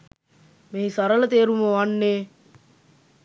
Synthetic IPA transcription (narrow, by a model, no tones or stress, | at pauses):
meɦisaɾələt̪eːɾuməʋanːeː